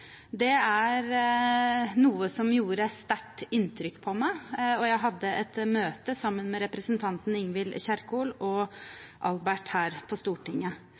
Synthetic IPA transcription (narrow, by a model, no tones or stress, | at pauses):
d̪ɛæɾ | nuːəsɔmjuːɾəst̪æʈːɪnt̪ʰɾʏkːpʰɔmæɪɔjæɪɦɑd̪ːəʔɛt̪møːt̪əsɑmːənmɛɾɛpɾəsənt̪ʰɑnt̪n̩ɪŋʋɪlçæɾkuːlɔʔɑlbæʈhæːɾpʰɔst̪uːʈʰɪŋːə